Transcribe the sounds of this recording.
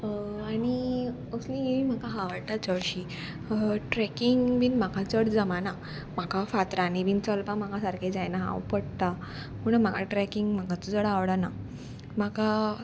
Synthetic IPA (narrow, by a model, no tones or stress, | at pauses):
aɽ̃i | əslĩɡeʋim̤akaɦaʋəɽʈ̪at͡səɽɕi | əʈɾɛkiŋɡbinm̤akʰat͡səɽd͡zəmana | m̤akafat̪ɾanibiːnt͡səlpam̤akasaɾkʰed͡ʑajnaɦã̰wpəɽt̪a | muɳəm̤akʰaʈɾɛkiŋɡm̤akat͡səd͡zəɽaʋɽana̰ | m̤aka